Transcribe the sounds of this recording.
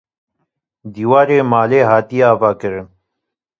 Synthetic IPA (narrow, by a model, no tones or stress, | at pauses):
d̪iːwaːɾeːmaːleːɦaːt̪ijaːvaːkəɾ